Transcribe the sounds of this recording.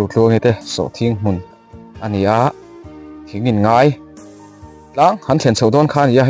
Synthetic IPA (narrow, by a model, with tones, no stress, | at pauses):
u˨t͡ɬu˧əŋi˧t̪ɛ˧˨sɔ̰˨ʔt̪ʰi˧˦ŋm̥u˨n | ʔa˧˨ni˨a˧˦ʔ | t̪ʰi˨˦ŋi˨nŋaː˧˦˥j | t͡ɬaː˦˥ŋhɐ˧˦nt͡ɬʰɛ˨nsʰo˨wdɔː˦˥nkʰaː˧˦˥ni˨a˧